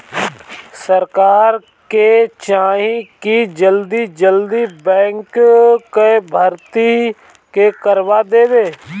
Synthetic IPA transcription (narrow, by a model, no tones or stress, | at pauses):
səɾkaːɾ | ket͡ʃaːɦĩkid͡ʒəld̪id͡ʒəld̪ibɛ̃ːŋkkebʱəɾt̪i | kekəɾʋaːd̪eːʋeː